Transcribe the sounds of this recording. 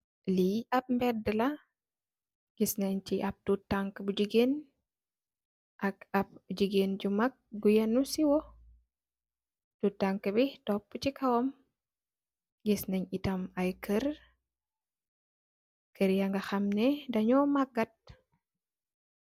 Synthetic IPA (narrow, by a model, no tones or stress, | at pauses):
liɐb̚mbɛdɐlɐ | ɡ̥isnɐɲt͡ʃiʔɐb̚tutːaŋkbud͡ʒiɡen | ʔɐkɐb̚d͡ʒiɡend͡ʒumak̚ɡujɐnusiwɔ | tutːaŋkɨbitopːut͡ʃikʰɐwom | ɡisnɐɲitɐmɐjkʰɨɾ | kʰɨɾjɐŋɡɐxɐmnɛdɐɲɔmɐɡɐt̚